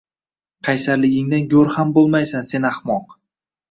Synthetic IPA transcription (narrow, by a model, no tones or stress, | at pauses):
qʰɑjsaɾlɪɡʲɪŋd̪anɡʲoɾhambolˠmajsanse̞naχmɒq